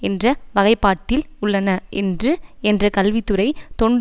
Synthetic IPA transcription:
ɛndrɐʋɐɣɐɪpːaːʈ̪ːɪlʊɭːɐnɐʔɛndrɯɛndrɐkɐlʋɪt̪ːɯrɐɪt̪ɔɳɖ

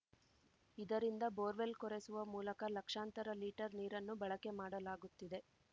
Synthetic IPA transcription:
id̪ɐɾind̪ɐbo̞ːɾʋe̞lkɔɾe̞suʋɐmuːlɐkɐlɐkʂaːnt̪ɐɾɐliːʈɐɾniːɾɐnːubɐɭɐke̞maːɽɐlaːɡut̪ːid̪e̞

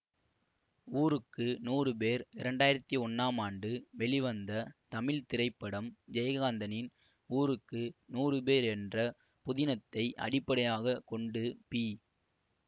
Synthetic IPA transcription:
uːɾɯkːɯnuːrɯpeːɾɪɾɐɳɖaːjɪɾɐt̪ːiɔnːaːmaːɳɖɯʋɛɭɪʋɐnd̪ɐt̪ɐmɪlt̪ɪrɐɪpːɐɽɐmd͡ʒɛjɐɣaːnd̪ɐnɪn | uːɾɯkːɯnuːrɯpeːɾɛndrɐ | pʊðɪnɐt̪ːɐɪʔɐ̰ɽɪpːɐɽɐjaːɣɐkɔɳɖɯpiː

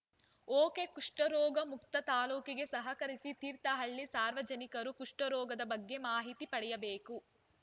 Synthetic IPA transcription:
oːkekuʂʈɐɾɔːɡɐmukt̪ɐt̪aːluːkiɡe̞sɐɦɐkɐɾisit̪iːɾt̪ɐɦɐɭːisaːɾʋɐd͡ʒɐnikɐɾukuʂʈɐɾɔːɡɐd̪ɐbɐɡːe̞maːɦit̪ipɐɽɛjɐbeːku

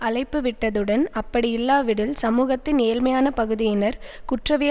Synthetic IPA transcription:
ɐɭɐɪpːɯʋɪʈːɐðɯɽɐnɐpːɐɽɪɪlːaːʋɪɽɪlsɐmuːɣɐt̪ːɪneːlmɐjaːnɐpɐɣɯðɪjɪnɐɾkʊʈrɐʋɪjɐ

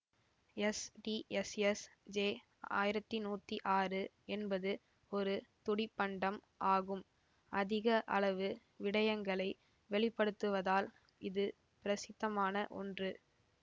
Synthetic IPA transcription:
ɛsʈiʔɛsɛsd͡ʒeː | a̰ːjɪɾɐt̪ːinuːt̪ːiʔaːrɯ | ɛnbɐðɯ | ɔɾɯt̪ʊɽɪpːɐɳɖɐm | ʔaːɣɯm | ʔɐðɪɣɐʔɐ̰ɭɐʋɯ | ʋɪɽɐjɐŋɡɐɭɐɪ | ʋɛɭɪpːɐɽɯt̪ːɯʋɐðaːl | ɪðɯ | pɪɾɐsɪt̪ːɐmaːnɐʔɔ̰ndrɯ

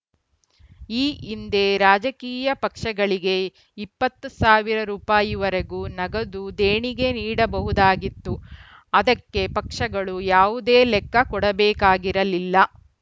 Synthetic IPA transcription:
iːind̪e̞ɾaːd͡ʒɐkiːjɐpɐkʂɐɡɐɭiɡe̞ | ipːɐt̪ːusaːʋiɾɐɾuːpaːjiʋɐɾeɡuːnɐɡɐd̪ud̪eːɳiɡe̞niːɽɐbɐɦud̪aːɡit̪ːu | ɐd̪ɐkːe̞pɐkʂɐɡɐɭujaːʋud̪eːlɛkːɐkɔɽɐbɛːkaːɡiɾɐlilːɐ

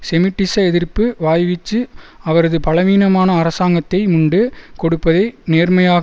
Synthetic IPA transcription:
sɛmɪʈːɪsɐɛðɪrpːɯʋaːjʋɪt͡ʃːɯɐʋɐɾɐðɯpɐlɐʋiːnɐmaːnɐːɾɐsaːŋɡɐt̪ːɐɪmʊɳɖɯkɔɽɯpːɐðɐɪneːrmɐjaːɣ

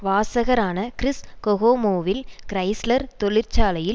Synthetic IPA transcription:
ʋaːsɐɣɐɾaːnɐkɪɾɪskɔɣoːmoːʋɪlkɾɐɪslɐɾt̪ɔɭɪɾt͡ʃaːlɐjɪl

